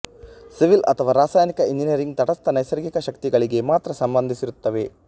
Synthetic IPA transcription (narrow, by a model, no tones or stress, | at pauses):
siʋilɐt̪ʰɐʋaːɾaːsaːjnikɐind͡ʒinɐɾiŋɡ̚t̪ɐʈɐst̪ɐnɐjsɐɾɡikɐʃɐkt̪iɡɐɭiɡe̞maːt̪ɾɐsɐmbɐnd̪ʱisiɾut̪ːɐʋe̞